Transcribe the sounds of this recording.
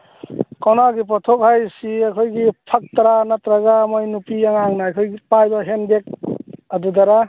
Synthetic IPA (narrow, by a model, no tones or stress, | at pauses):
kɔwnaɡip̬ɔt̪ʰok̚ɦajsiakʰojɡipʰak̚t̪aɾanat̪ɾaɡamojnupiaŋaŋnakʰojɡipajbaɦenbek̚ɐd̪ud̪aɾa